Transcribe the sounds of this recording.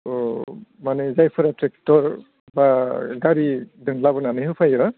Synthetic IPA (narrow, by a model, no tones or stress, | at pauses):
ɔmanɛzajpʰɔɾatɹɛk̚tɔɹ | baɡaɹidɯŋlabɔnanɯɦɯpʰajɔ